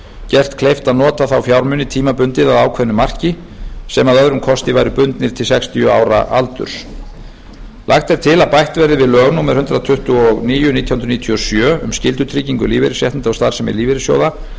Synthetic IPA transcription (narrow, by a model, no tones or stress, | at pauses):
cɛr̥t̪kʰlejft̪aðnɔːt̪aθawfjawɾmʏnːɪt̪ʰiːmapʏnt̪ɪðaðaːwkʰvɛðnʏmar̥cɪ | sɛmaðœðɾʏmkʰɔst̪ɪvajɾʏpʏnt̪nɪɾ̥t̪ʰɪlsɛkst̪ʰijʏa̰ːwɾa̰ʔa̰lt̪ʏ̰ɾ̥s | la̰xt̪ɛɾ̥t̪ʰɪlaðpajht̪vɛɾðɪvɪðlœɣnumɛðhʏnt̪ɾaðt̪ʰʏht̪ʏɔɣniːjʏnit̪jahnɾniːt̪ʰiɔsjœːʏ̰mscɪlt̪ʏt̪ʰɾiːciŋkʏliːvɪɾɪsjɛht̪nt̪ast̪aɾ̥sɛmɛ̰ɾliːvɪɾɪsjo̰wða